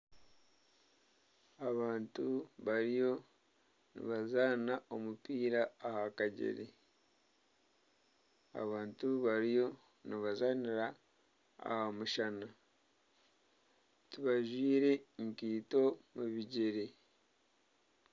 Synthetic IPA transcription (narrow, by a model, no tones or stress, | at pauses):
aβaːntuβaɾijo̞ | nḭβazaːnaomupiːɾaːhakaɟḛɾḛ | a̰βaːntuβaɾijo̞ | niβazaniɾa | a̰hamuʃana | tiβaʒwiːɾe̞ŋkiːto̞muβiɟeɾe